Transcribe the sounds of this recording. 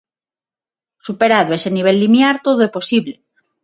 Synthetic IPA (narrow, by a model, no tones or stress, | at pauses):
supeɾaðoeseniβ̞elːimjaɾt̪oðoepo̞siβle